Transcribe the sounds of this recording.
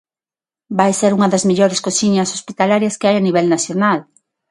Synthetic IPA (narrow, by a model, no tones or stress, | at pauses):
bajseɾuŋɐðɐzmeʎɔɾɪskosiɲɐsospit̪alaɾjɐskeajaniβ̞ɛlnaθjonal